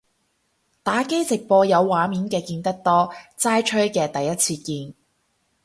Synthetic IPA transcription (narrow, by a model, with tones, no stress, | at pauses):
t̪aː˨˥ke˥jt͡sɪ˨k̚pɔː˧jɐ˨˧wːaː˨˥miː˨˥nkɛː˧kiː˧nt̪ɐ˥k̚t̪ɔː˥t͡saː˥jt͡ʃʰɵ˥ɥkɛː˧t̪ɐ˨jɐ˥t̚t͡sʰiː˧kiː˧n